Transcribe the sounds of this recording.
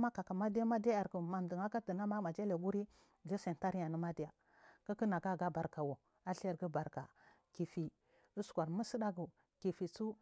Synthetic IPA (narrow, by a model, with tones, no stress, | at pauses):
ma˦ka˨ka˨ma˦di˦ja˦ma˦dja˦ja˨ɾku˨ma˨m˨di˨ŋa˦ka˦ti˨na˦ma˦ma˨d͡ʒa˦le˨ɡu˦ɾi˦ | d͡ʒi˦sa˨n˨ta˦ɾi˦ja˨ni˦ma˦di˦ja˨ | ka˦ki˦na˨ɡa˦˨ɡa˦ba˨ɾka˨wo˨ | a˦ɬe˨ɾɡi˦ba˨ɾka˨ | ki˨fi˨ | u˦skʷa˨ɾmu˦si˦da˦ɡu˨ | ki˨fi˨t͡su˦